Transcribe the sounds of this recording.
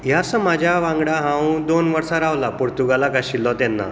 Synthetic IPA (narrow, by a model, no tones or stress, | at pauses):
jasəmad͡ʑʱjaʋãŋɡɽaɦãwũd̪onʋəɾsaɾaʋlapuɽt̪uɡalakaɕilːɔt̪ɛnːa̰